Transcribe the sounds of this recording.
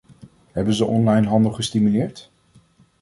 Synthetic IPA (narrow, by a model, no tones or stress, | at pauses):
ɦɛbənzəʔɔnlɑjnɦɑndəlˠχəstimylɪːɹt